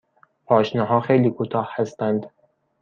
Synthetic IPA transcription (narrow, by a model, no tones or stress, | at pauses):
pʰɒːʃnɒːɦɒːxejliːkʰut̪ʰɒːhhæst̪ænd̪